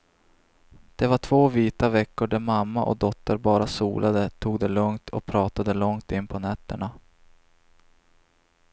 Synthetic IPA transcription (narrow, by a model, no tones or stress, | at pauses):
d̪̥ɛvaʈʰv̥oːviːt̪avɛkːʊɖæmamːaʔɔ̰d̪ɔt̪ːəɾbɑːɾasṵːlʔad̪ət̪ʰuːɡd̪ɛlɵŋt̪ʰɔk̚pʰɾɑːt̪ad̪əlɔŋt̪ɪnːpʰɔnɛt̪ːəɳa